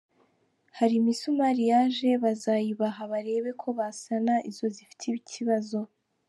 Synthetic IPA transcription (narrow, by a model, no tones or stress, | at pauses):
haɾimisumaɾijaʒe̞βazajiβaɦaβaɾe̞ːβe̞kʰo̞βasanaʔizo̞zifi̥tʰiβicʰiβazo̞